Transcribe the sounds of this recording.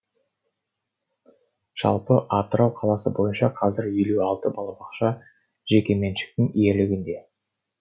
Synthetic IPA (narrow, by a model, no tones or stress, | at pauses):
ʒ̥ɑ̰lˠpəʔɑt̪əɾɑwqʰɑlˠɑsəbo̞jənʃɑqʰɑzɪɾiluɑlˠt̪əbɑlˠɑbɑqʃɑ | ʒ̥e̞kʲe̞me̞nʃɪ̥k̚t̪ɪŋije̞lɪɡʲɪnd̪e̞